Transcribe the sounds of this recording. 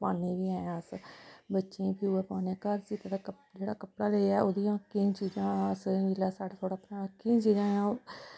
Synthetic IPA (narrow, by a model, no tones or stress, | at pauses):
paːneːʋiːaːjãəsbətːʃẽːpʰiuːeːpaːneːkəɾsiːt̪ad̪aːkə | d͡ʒeːɽaːkəpɽaːleaːoːd̪ijãːkiːt͡ʃiːd͡ʒãːəsɪlaːsaːɽaːt̪ʰoːɽaːpnãːkĩt͡ʃiːd͡ʒãːãː